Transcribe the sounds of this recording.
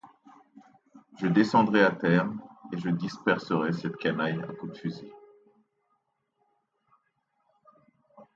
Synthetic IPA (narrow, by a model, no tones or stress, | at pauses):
ʒəd̪esɑ̃d̪ʁɛat̪ɛʁeʒəd̪ispɛʁsəʁɛsɛt̪kanaja̰kud̪fyzi